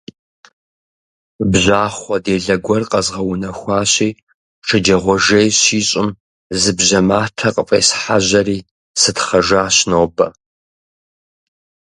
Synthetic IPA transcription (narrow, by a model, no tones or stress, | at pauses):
bʑʷaːχʷɔdeːɮɐɡʷɔrqʼɐzʁɐwʊnɐxʷɑːɕiː | ʈ͡ʂʰɨd͡ʒɐʁʷɔʒejɕiːɕʼɪm | zɨbʑɐmaːtʰɐqʼəpʼḛːsħaʑɐriː | sɨtχɐʒaːɕnoːbɐ